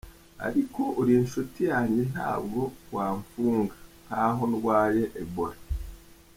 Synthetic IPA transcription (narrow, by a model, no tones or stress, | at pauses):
a̰ɾiko̞ʔoɾinʃutijaːɲen̥ha̰ːbɡo̞waːɱfuːŋɡan̥haɦonuwaːje̞ʔːboɾa